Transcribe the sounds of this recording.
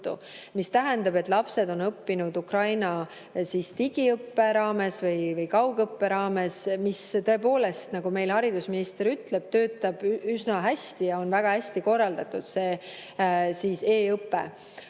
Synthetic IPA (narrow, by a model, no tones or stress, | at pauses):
t̪ːṵ | mist̪æɦɛnd̪ɑbet̪ːˑlɑpse̞d̪̥o̞nɤpːinud̪ukrɑjnɑ | siːst̪iɡ̥iɤpːe̞ɾɑːme̞svɤjvɤjkɑwɡ̥ɤpːe̞ɾɑːme̞smist̪ɤ̞epo̞ːle̞st̪nɑɡ̥ume̞jlhɑɾid̪usminist̪eɾyt̪le̞b̥̚t̪ø̞ːt̪ːˑɑb̥ysnɑɦæsʲt̪ijɑo̞nvæɡ̥ɑhæsʲt̪iko̞rːɑld̪ɑt̪ːˑud̪̥se̞ː | siːse̞ːɤpːḛ